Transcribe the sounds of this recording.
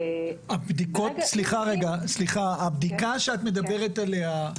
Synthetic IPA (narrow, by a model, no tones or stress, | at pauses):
abd̪ikot̪sliχaʁeɡasliχaːbd̪ikaʃeat̪me̞d̪abe̞ʁet̪ale̞a